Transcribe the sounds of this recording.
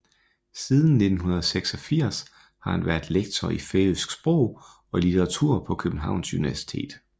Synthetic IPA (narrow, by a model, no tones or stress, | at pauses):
sið̞ˠn̩nːe̝d̥n̩hunɐðˠseɡ̥sɒ̽fiɐ̰s | hɑ̈hænʋæɐd̥leɡ̥̚t͡sʰɒifesɡ̥sb̥ʁɔʊ̰ | ɒ̽lit͡sʰeʁɑ̈t͡sʰuɐ̰pʰɒ̽kʰøb̥n̩ɦɑ̈ʊ̰nsuniʋæɐsi̥t͡sʰe̝̰ːd̥